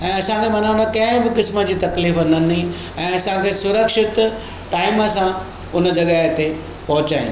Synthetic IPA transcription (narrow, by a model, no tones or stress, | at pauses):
ɛ̃ːɐsãkʰemɐnaʊ̃nokɐ̃ɦɪ̃bɪkɪsməd͡ʑiːt̪ɐkliːfɐnəni | ɛ̃ːɐsãkʰeːsʊɾəkʃɪt̪ | ʈaːɪməsã | ʊnə̆d͡ʑɐɠaɦet̪e | pɐɦʊt͡ɕaːɪ̰̃n